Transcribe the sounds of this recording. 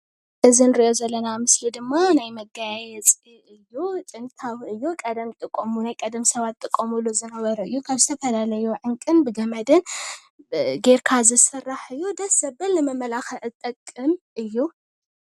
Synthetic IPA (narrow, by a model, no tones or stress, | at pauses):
ʔɨzɨnɨɾiʔozɐlːɐnamɨslid̪ɨmːanajmɐɡajjɛt͡sʼ | ɨjːut̪ʼɨnt̪ʰawɨjːukʼɐd̪ɐmt̪ʼɨkʼːomunajkʼɐd̪ɐmsɐβat̪ʼːɨkʼːɐmulozɨnɐβɐɾɐɨjːukʰaβzɨt̪ʰɐfɐlalɐjuʕɨŋkʼɨnbɨɡɐmɐd̪ɨn | ɡeɾkʰazɨsɨrːaħɨjːud̪ɐsɐbɨlnɨmɐmɐlaxɐʔɨt̪ʼːɐkʼːɨmʔɨjːu